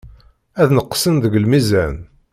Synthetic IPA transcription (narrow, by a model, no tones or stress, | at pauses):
æðnəqːsənðəɡlmizæn